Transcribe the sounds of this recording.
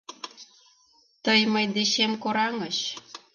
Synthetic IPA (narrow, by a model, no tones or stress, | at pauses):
t̪əjmə̆jd̪eɕemkoɾɑŋɤ̆ɕ